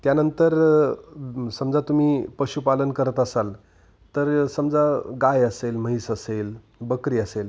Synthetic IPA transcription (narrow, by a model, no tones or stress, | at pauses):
t̪janənt̪əɾ | səmd͡zat̪um̤iːpəɕupalənkəɾət̪əsal | t̪əɾsəmd͡zaɡajəselməɦisəsel | bəkɾiːəsel